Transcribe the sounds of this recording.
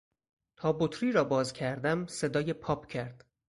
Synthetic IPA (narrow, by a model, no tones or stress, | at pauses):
t̪ʰɒːbot̪ʰɾiːɾɒːbɒːzcʰæɾd̪æmse̞d̪ɒːjepʰɒːpʰcʰæɾd̪̥